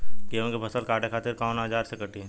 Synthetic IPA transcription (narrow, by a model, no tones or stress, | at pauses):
kiɐ̃kebʰʱɐsəlkʰaːʈekʰaːt̪ɪɾkaːnɦɐzaːɾsekɐʈʰĩ